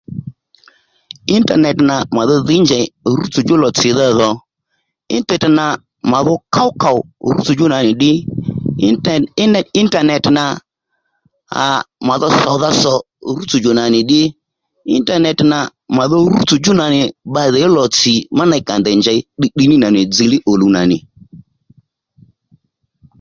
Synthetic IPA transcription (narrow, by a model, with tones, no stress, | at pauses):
ɪ˦nta̰˨nɛ˨tna˨ma˨ðɔ˦ðɪ˦nd͡ʒa˨ɾu˦t͡su˨d͡ʒʊ˦lɔ˨t͡sɪ˨ða˦ðɔ˨ | ɪ̰˦ntɛ˨tna˨ | ma˨ðɔ˦ka˦wka˨wɾṵ˦t͡su˨d͡ʒʊ˦na˨nɪ˨ɗɪ˦˨ | ɪ˦nta˨nɛ˨tna˨ | a̰˨ma˨ðɔ˦sɔ˨ða˦sɔ˨ | ɾu˦t͡su˨d͡ʒo˨na˨nɪ˨ɗɪ˦ | ɪ˦n˦ta˦˨nɛ˨tna˨ | ma˨ðɔ˦ɾu˦t͡su˨d͡ʒʊ˦na˨nɪ˨ba˨ðɛ˨ɔ˦lɔ˨t͡sɪ˨ma˦na˧ɪ˦ka˨nd̪ɛ˨nd͡ʒa˨ɪ˦ɗi˦ɗi˦nɪ˦na˨nɪ˨d͡zi˨˧lɪ˦ʔo˨lu˨na˨nɪ˨